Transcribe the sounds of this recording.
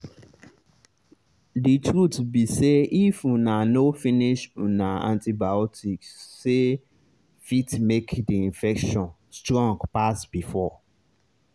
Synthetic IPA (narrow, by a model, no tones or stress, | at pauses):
ditʰɾutbiseifũnãnofĩniʃũnãã̰ntʰibaɔtʰiksːe | fitmekdiĩnfɛkʃɔ̃n | stɾɔ̃ŋɡpasb̥ifɔ